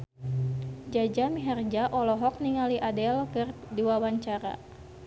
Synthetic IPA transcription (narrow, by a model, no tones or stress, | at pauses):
d͡ʒad͡ʒamiɦɛrd͡ʒaʔɔlɔɦɔk̚niŋaliʔadɛlkɨrduwawaɲt͡ʃaɾa̰